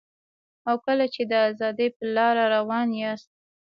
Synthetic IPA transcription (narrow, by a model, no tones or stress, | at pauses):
awkəlat͡ʃed̪əazɑd̪əpəlɑɾaɾawɑnjast̪̚